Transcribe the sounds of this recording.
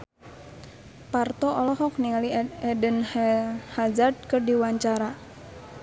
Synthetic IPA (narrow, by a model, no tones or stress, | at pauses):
part̪ɔɔlɔɦɔkniŋaliɛdənhɛhazard̚kɨrdiwaɲt͡ʃaɾa